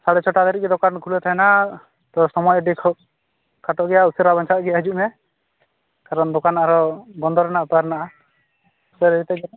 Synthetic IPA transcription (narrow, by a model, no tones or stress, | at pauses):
saɽɛt͡ʃʰɔʈad̪ɔɾiɡɛd̪ɔkankʰulɛt̪ʰaɛna | t̪ɔsɔmɔjɖikʰ | kʰaʈɔʔɡɛjausɛɾabaɲt͡ʃʰat̪ɡɛjad͡ʒuʔmɛ | kaɾɔnd̪ɔkanaɾɔɡɔnd̪ʱɔɾɛnaʔpaɾnaʔa | usɛɾɛit̪ɛɡɛ